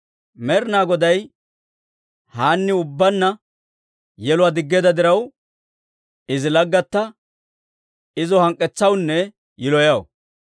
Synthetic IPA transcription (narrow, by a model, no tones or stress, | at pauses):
mɛɾnaːɡɔd̪ɐj | haːnːɪʊbːɐnːɐ | jɛlʊwad̪ɪɡːeːd̪ɐd̪ɪɾɐw | ɪzɪlɐɡːɐt̪ːɐ | ɪzɔhɐŋkʼːɛt͡sːɐwnːɛ | jɪlɔjɐw